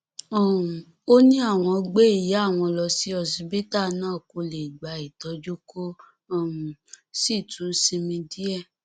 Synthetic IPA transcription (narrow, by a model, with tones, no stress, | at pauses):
ɔ˦˨ | o˦nĩ˦a˦˨w̃ɔ̃˧ɡ͡be˦i˦˨ja˨˦a˦˨w̃ɔ̃˧lɔ˧si˦ɔ˧s̬i˧˦be˦ta˦˨nãː˦˨ko˨˧le˨ɡ͡ba˨˦i˨tɔ˨˦d͡ʒo˦ko˦˨ | m˨si˦˨tũ˨˦sĩ˧mĩ˧di˦ɛ˦˨